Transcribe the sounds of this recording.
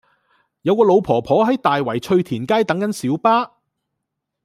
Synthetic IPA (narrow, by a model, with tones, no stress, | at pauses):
jɐ˨˧wkɔː˧lo˨˧wpʰɔː˨˩pʰɔː˨˥ɦɐ˨˥jt̪aː˨jwɐ˨˩jt͡ʃʰɵ˧ɥt̪ʰiː˨˩nkaː˥jt̪ɐ˨˥ŋkɐ˨˥nsiː˨˥wpaː˥